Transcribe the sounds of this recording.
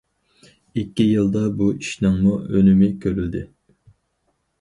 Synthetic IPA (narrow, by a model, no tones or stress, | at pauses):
ikʲːijɨlˠd̪ɑbuiʃnɑŋmuønymɪkʲʰøɾyld̪ɪ